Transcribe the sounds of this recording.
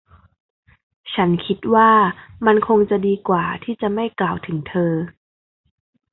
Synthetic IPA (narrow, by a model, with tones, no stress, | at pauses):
t͡ɕʰa˦˥nkʰi˦˥t̪̚waː˥˩ma˧nkʰo˧ŋt͡ɕa˨˩diː˧kwaː˨˩t̪ʰiː˥˩t͡ɕa˨˩ma˥˩jklaː˨˩wt̪ʰɯ˩˦ŋt̪ʰɤː˧